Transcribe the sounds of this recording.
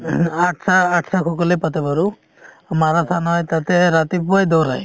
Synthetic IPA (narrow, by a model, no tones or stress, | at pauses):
aʈsaːʈsakʰukɔlepɔt̪ɛbaɾu | amaɾat̪ʰanɔjt̪at̪ɛɾat̪ipuajd̪ɔɾa̰j